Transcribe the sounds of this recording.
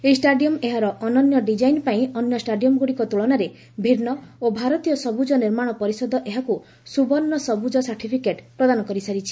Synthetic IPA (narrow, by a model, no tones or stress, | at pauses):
esʈaɖijɔmeɦaɾɔʔɔnɔnjɔɖid͡ʒajnpaĩɔnjɔsʈaɖijɔmɡuɽikɔt̪uɭɔnaɾe | bʱiɾnɔobʱaɾɔt̪ijɔsɔbud͡ʒɔniɾmaɽ̃ɔpɔɾisɔd̪ʱɔʔeɦaku | subɔnːɔsɔbud͡ʒɔsaɾʈʰipʰikeʈpɾɔd̪anɔkɔɾisaɾit͡ʃʰi̥